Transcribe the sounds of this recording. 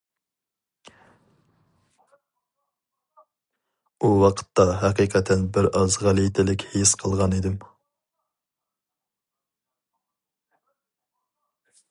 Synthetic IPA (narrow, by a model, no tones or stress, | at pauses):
uwɑqʰə̥t̪ːɑɦæqiqʰɛt̪ʰːɛnbɪɾɑzʁælˠijt̪ʰɪlɪkʲhejsqʰəlˠʁɑnid̪ɪm